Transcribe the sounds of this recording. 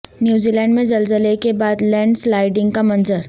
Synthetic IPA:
njuːzilɛ̃ːɳɖmẽd͡ʒɐlzəlekebaːd̪lɛ̃ːɳɖslaːɪɖɪ̃ŋɡkamɐnzəɾ

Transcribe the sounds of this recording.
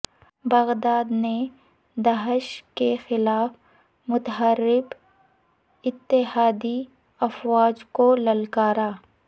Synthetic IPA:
bɐɣd̪aːd̪ne | d̪aɦɪʃkexɪlaːf | mʊt̪ɦaɾɪb | ɪt̪ːɪɦaːd̪i | ɐfwaːd͡ʒkolɐlkaːɾaː

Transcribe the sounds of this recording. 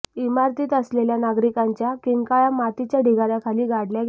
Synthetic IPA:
imaɾt̪iːt̪əsleljanaɡɾikaɲt͡ɕjakiŋkajamat̪it͡ɕjaɖʱiɡaɾjakʰaliːɡaɽljaɡ

